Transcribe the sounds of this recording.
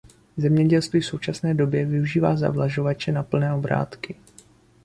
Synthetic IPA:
zɛmɲɛɟɛlst̪viːfso̞wt͡ʃasnɛːdo̞bjɛvɪuʒiːva̰ːza̰vlaʒo̞vat͡ʃɛnapl̩nɛːo̞bɾa̰ːt̪kɪ

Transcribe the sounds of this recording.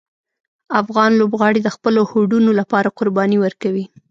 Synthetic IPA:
afɣɑnlobɣɑɽid̪əxpəlohoɖunolapɑɾaqʊɾbɑniwəɾkawi

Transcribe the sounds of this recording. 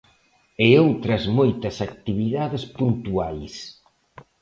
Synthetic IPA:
eowt̪ɾɐzmojt̪ɐsak̚t̪iβiðaðespunt̪uajs

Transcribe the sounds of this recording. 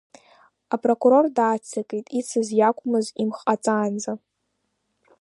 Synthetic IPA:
apʼrokʼuɾo̞rdaːt͡sʰakʼejtʼit͡sʰɨzjakʷʰʼʊmɨzimχʼat͡sʼaːnd͡za

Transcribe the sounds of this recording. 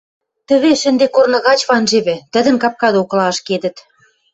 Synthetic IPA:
t̪ə̆βeʃə̆nd̪ekornɤ̆ɣɑt͡ɕβɑnʒeβɘ̆t̪ə̆d̪ə̆nkɑp̚kɑd̪oklɑʃked̪ə̆t̪

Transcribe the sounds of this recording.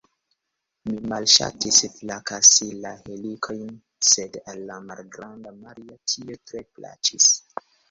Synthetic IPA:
mimalʃa̰tisflakasilahelikʰo̞jn | se̞dalːamalɡɾandamaɾiatʰietɾe̞pla̰t͡ʃis

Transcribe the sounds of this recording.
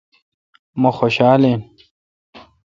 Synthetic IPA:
moxoɕaːlen

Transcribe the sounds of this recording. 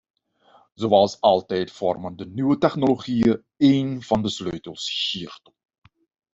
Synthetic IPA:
zowɑlˠsɑlˠtɛjtfɔrməndənyʋətɛxnoloχijə | ejnv̥ɑndəsløːtəlˠsxiːərt

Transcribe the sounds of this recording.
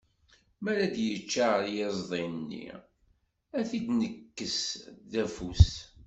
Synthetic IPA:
mæɾæd̪jət͡ʃːaɾjɪzˤðˤenːḭ | æθid̪nəkːəsðæfus

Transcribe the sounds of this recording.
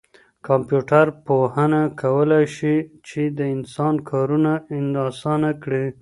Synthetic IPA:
kɑmpjuʈaɾpohənakʰawəlajʃit͡ʃed̪əɪnsɑnkʰɑɾunaɪnd̪ɑsɑnakɽi

